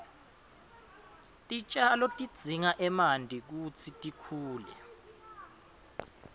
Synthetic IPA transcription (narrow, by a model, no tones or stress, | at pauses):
tʼit͡ʃʼalɔtʼid̥z̥ʱiŋaʔɛmandʱik̬ut͡sʰitʼikʰuːlɛ̰